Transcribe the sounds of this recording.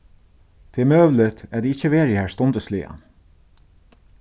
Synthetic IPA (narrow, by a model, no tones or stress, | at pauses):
t̪ʰemøːʋlɪt̪æːd̪iːɪçəʋeːɾɪhæːst̪ɔnd̪əslḭːa̰